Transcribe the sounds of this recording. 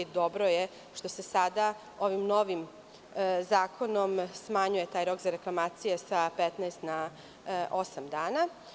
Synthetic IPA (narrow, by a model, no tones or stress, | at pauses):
id̪o̞bɾo̞je | ʃt̪o̞sesad̪a | o̞ʋimno̞ʋim | zaːkʰo̞no̞msmaɲuje̞t̪aːjɾo̞kzaɾeklˠamaːt̪sijesapet̪naest̪na | ʔosamd̪aːna